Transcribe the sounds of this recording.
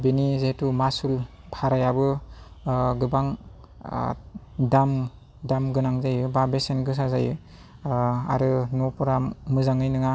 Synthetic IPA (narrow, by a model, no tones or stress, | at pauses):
binizetumasul | bʰaɾajabɯ | ɡɯbaŋ | dam | damɡɯnaŋzajɯbabesenɡɯsazajɯ | a̰ɾɯnɔpɔɾamɯzaŋɯjnɯŋa